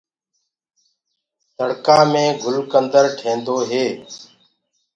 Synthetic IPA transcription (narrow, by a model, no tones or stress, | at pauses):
t̪əɽkãːmẽːɡʱʊlkənd̪əɾʈʰẽːnd̪oːɦeː